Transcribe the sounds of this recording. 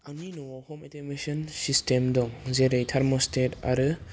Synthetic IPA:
aŋninɔwɔhɔmetʰemesɔnsistʰemdɔŋzeɾejtʰaɾmɔstʰeta̰ɾɯ

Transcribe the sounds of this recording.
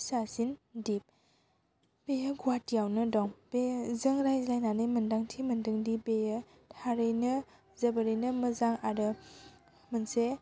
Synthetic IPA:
sasindip̚ | b̥ejaɡuwatijawnɯdɔŋbezəŋɾajzlajnanɯjmɐndaŋtʰimɐndɯŋdibejə | tʰaɾɯjnɯ | zɐbəɾɯjnɯməzaŋaɾɯ | mənse

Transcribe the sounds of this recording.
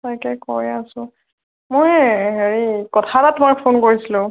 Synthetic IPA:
tajkɛkɔ̰jasʊ̃ | mojɦeɹikɔtʰatatumak̚pʰonkoɹisilʊ̃

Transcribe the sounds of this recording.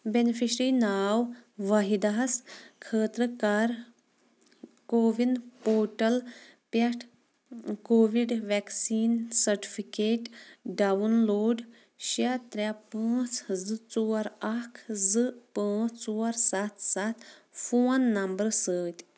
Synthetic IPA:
benifʰiʃɾiːnaːwʋɐɦid̪aɦɐskʰəːt̪ɾəkaːɾ | koːʋinpoːʈɐlpɐʈʰ | koːʋiɖʋɛksiːnsɐɾʈi̥fʰikeːʈɖaːʋɐnloːɖ | ʃat̪ɾʲapãːt͡szɨt͡soːɐɾɐkʰzɨpãːt͡soːɐɾsɐt̪ʰsat̪foːnːɐmbəɾsəːt̪ʲ

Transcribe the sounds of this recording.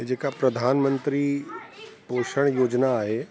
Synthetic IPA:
ed͡ʒeːkapɾɐd̪ʱaːnmə̃nt̪ɾi | poːʃəɽ̃joːd͡ʒnaːɦe

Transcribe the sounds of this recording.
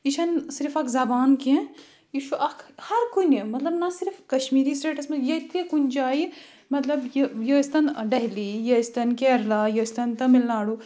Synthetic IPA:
iʃʰɐnsɪɾfʰɐkzɐbaːnkẽ | iʃuʔɐkʰhɐɾkunemɐt̪lɐbnɐsiɾfʰkɐʃmiːɾisʈeːʈɐsmɐjɐt̪ʰikunʲd͡ʒaːi | mɐt̪lɐbjjəst̪ɐnɖɐɦlijɐst̪ɐnkeːɾlaːjəst̪ɐnt̪ɐmilnaːɽu

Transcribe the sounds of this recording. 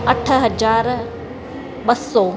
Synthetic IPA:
ɐʈʰə̆ɦɐd͡ʑaːɾ | ɓɐsːɔ

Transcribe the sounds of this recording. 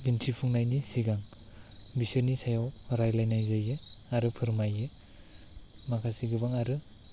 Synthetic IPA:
dintʰipʰuŋnajnisiɡaŋ | bisɯɾnisajawɾajlajnajzajɯaɾɯpʰɯɾmajɯ | makʰasiɡɯbaŋaɾɯ

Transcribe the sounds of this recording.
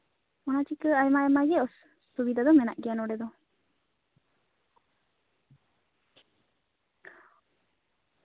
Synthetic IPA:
ɔnat͡ʃikəajmaɛmaɡɛɔsː | ubid̪ad̪ɔmɛna̰ʔɡɛjanɔɖɛd̪ɔ

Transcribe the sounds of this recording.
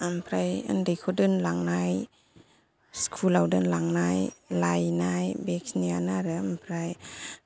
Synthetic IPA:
ampʰɾaja̰ndekʰodɯnlaŋnaj | skʰulawdɯnlaŋnajlajnajbeksnianaɾɯampʰɾaj

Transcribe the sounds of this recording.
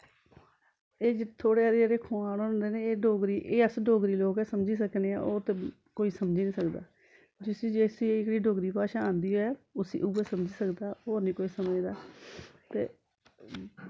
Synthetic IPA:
eːd͡ʒt̪ʰoːɽeːaːɾeːd͡ʒeːɾeːkʰoːaːnɦoːnd̪eːneːeːɖoːɡɾiːʔeːəsɖoːɡɾiːloːkɛːsəmd͡ʒiːsəkneːa̰ːʔoːt̪e | koːiːsəmd͡ʒiːnĩːsəkd̪a̰ː | d͡ʒɪsĩːd͡ʒeːsiːeːɪkɽiːɖoːɡɾiːpaːʃaːãːnd̪iːɦoːɛːʊsḭːʔuːɛːsəmd͡ʒiːsəkd̪aːoːnĩːkoːiːsəməd͡ʒd̪aːt̪ḛː

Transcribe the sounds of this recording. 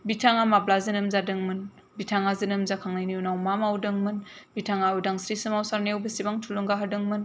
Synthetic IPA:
bitʰaŋamablazɯnɯmzadɯŋmɯn | bitʰaŋazinɯmzakʰaŋlajnijunawmamawdɯŋmɯnbitʰaŋaujdaŋsɾisɯmawsaɾneewbəsibaŋtʰulɯŋɡaɦɐdɯŋmɯn

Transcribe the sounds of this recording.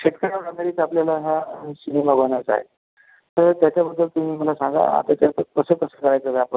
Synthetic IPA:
ɕeʈkəɽaɽad̪aɾiːt͡sapljalaɦasinemabənat͡sa̰ɦḛ | t̪əɾt̪jat͡ɕabəd̪ːəlt̪um̤iːm̤əlasãŋɡa̰a̰t̪at̪jat̪əkəsəːkəsəkəɾajt͡səd̪aapə

